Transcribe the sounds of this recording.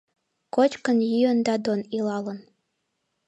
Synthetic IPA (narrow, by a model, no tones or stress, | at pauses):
kot͡ɕkənjyənd̪ɑd̪onilɑlən